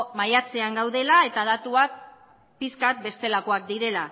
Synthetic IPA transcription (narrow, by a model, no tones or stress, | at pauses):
majat͡se̞aŋɡawðe̞lae̞t̪aðat̪uak̚ | piskat̪̚be̞st̪e̞lako̞ak̚d̪iɾe̞la